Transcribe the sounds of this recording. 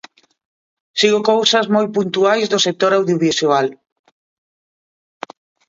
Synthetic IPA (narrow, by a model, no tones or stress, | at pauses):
siɣokowsɐzmojpunt̪uajzðʊsek̚t̪oɾawðjoβisual